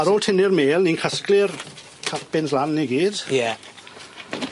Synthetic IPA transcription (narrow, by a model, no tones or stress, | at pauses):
aɾolˠtʰɪnɪrmeːlˠniːnkʰəsklɪr | kʰapɪnslanːiɡiːd̥jɛ